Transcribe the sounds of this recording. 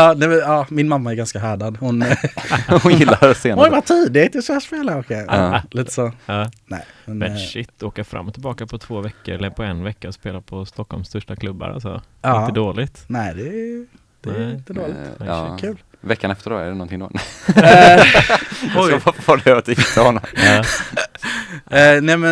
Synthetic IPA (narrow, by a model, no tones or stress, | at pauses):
ɑːnɛɑːmɪnmamːaɛɾɡanskaɦæːɖad̪hʊn | hʊnjɪlːaɾseːnɔjvat̪ʰiːd̪ɪɪt̪ːəsæːʂpeːlaɾɔkɛliːt̪ə̥soːnɛ̰ɪ | mɛnmɛʂɪtt̪ːoːkaɾfɾa̰mːɔt̪ʰːɪlbɑːkapʰɔt̪ʰv̥oːvɛkːəɾɛləpʰɔɛnvɛkːaɔspeːlaɾpʰɔst̪ɔkːɔlmst̪œʂʈakʰlɵbːa̰ɾa̰lsɔ̰ɪ̃nt̪əd̪oːlɪt̪nɛɪd̪ɛ | d̪̥ɛɪnt̪ːəd̪oːlɪkʰʉ̟ːl | vɛkːanɛft̪əɖɔ̰ɛ̰ɖɛnɔnt̪ɪŋd̪̰ | ɔjavaɖɛat̪jɪt̪ːaɾhɔnːɔmɑː | nɛmɛ